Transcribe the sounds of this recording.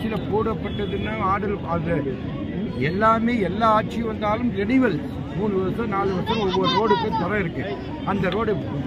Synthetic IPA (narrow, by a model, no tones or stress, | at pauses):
t͡ʃːɪlɐpuːɽɐpːɐʈːɐðɯnːaːaːɽɐlɐðɐ | ɛlːaːmeːɛlːaːaːʈ̚t͡ʃːɪʋɐnd̪aːlɯmt̪ɛɽɪʋɐl | muːnɯʋɐsɐnaːlɯʋɐɾsɐlɐɔʋːɔɾɯɾoːɽɯkːɐt̪ɐɾɐɪɾɯkːɯ | ɐnd̪ɐɾoːɽɯ